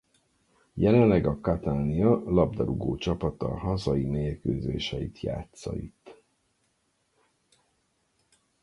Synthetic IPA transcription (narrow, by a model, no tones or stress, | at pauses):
jɛlɛnlːɛɡɒkɒt̪aːniɒlɒb̚d̪ɒɾuɡoːt͡ʃɒpɒt̪ɒ̰ɦɒzɒimeːrkøːzḛːʃɛit̪ʰja̰ːt̪sɒ̰it̪ː